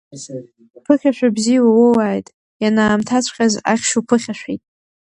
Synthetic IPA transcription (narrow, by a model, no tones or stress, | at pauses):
pʰɨχʲaʃᶣabziwawowaːjtʼ | janaːmtʰat͡sʷʰqʲʼaza̰χʲʃupʰɨχʲaʃᶣʷitʼ